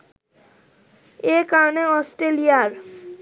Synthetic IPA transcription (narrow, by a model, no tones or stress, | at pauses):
ekaɾneɔsʈelijaɾ